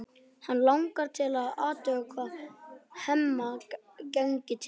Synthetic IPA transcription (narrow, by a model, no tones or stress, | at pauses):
hanlawŋkaɾ̥t̪ʰɪlaðaːt̪œːkʰva | hɛmːa | kɛŋcɪt̪ʰ